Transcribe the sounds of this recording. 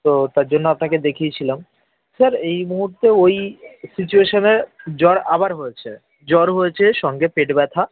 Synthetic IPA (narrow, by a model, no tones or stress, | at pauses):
t̪ot̪aɾd͡ʑonːoapnaked̪ekʰiet͡ɕʰilam | saɾejmuɦuɾt̪eojsit͡ɕueʃoneɾd͡ʑɔɾa̰baɾɦojet͡ɕʰe | d͡ʑɔɾɦojet͡ɕʰeʃɔŋɡepeʈbɛt̪ʰa